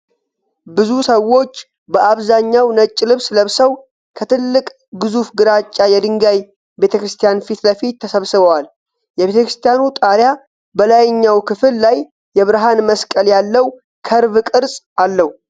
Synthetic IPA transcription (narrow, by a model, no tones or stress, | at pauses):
bɨzusəwo̞t͡ʃː | bəʔaβzaɲːawnət͡ʃʼːlɨβsləβsəw | kʰət̪ʰɨlːɨkʼ | ɡɨzufɡɨɾat͡ʃʼːajɛd̪ɨŋɡaj | be̞t̪ʰəkɾɨst̪ʰijanfit̪ləfit̪ʰːəsəβsɨβəwal | jɛβet̪ʰəkɾɨst̪ʰijanut̪ʼaɾja | bəlajɲːawkʰɨfɨlːajː | ɛβɾɦanməskʼəljalːəw | kʰəɾbkʼɨɾsʼ | alːəhu